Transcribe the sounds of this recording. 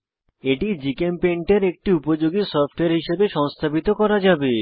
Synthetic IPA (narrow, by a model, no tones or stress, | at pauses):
eʈid͡ʑikempeɳʈeɾek̚ʈiupod͡ʑoɡisɔɾfʈoeɾɦiʃebeʃɔŋst̪ʰabit̪okɔɾad͡ʑabe